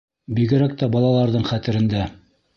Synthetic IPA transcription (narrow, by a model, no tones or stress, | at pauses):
biɡɘ̆ɾæk̚t̪æbɑlˠɑlˠɑɾðɤɴχæt̪ɘ̆ɾɘ̆nd̪æ